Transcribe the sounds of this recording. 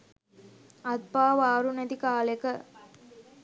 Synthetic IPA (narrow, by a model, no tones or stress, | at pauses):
ɐt̪̚paːʋaːɾuned̪ikaːlekə